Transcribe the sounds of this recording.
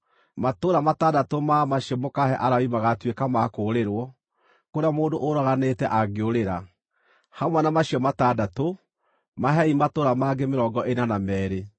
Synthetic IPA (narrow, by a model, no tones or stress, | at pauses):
matoːɾamatadatomamaɕiɔmokaɦɛʔaɾaimaɣatwekamakoːɾeɾwɔ | koɾamoːndoʔoɾaɣanetɛʔaɡeoɾeɾa | hamwanamaɕiɔmatadato | maɦɛimatoɾamaːɡemeɾɔːŋɡɔʔenanamɛːɾe